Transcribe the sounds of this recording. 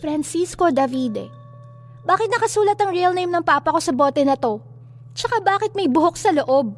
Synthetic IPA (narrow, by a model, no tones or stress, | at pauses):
fɾɐnsisko̞d̪ɐvid̪ɛ̰ | baːkɪt̪nɐkɐsuːlɐt̪ɐŋɹiɐlnejmnɐŋpaːpɐko̞sɐbo̞ːt̪ɛnɐt̪o̞ | t͡ʃɐkabaːkɪt̪̚mɐjbʊɦok̚sɐloʔo̞b̚